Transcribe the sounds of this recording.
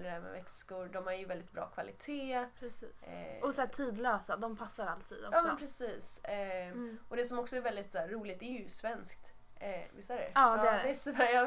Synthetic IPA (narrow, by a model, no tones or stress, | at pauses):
d̪ɛd̪æmɛ̰vɛkskʊɾɖɔmhaɾjɵvɛld̪ɪt̪̚bɾɑ̰ːkʰvalɪt̪ʰeːpʰɾɛsiːsɔsæːtʰiːd̪løːsad̪ɔmpʰasːaɾalt̪ʰḭːd̪ɔɑːmɛɔnpʰɾɛsiːs | ʔɔd̪ɛsɔmɔksɔɛɾvɛld̪ɪt̪sæːuːlɪɡ̚t̪ɛæɾjɵsvɛnskt̪ː | vɪ̰saɾɛ̰ɑːd̪ɛæd̪ɛsæjɑ